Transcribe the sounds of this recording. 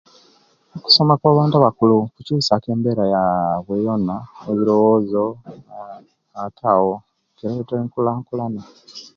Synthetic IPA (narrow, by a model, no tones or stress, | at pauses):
oku̥somakwaːβaːntuβakulukucuːsake̞ːmbeɾajaβwejonaeβiɾo̞woːzo | tʰawo | keɾaβetaiŋkulaːŋkulana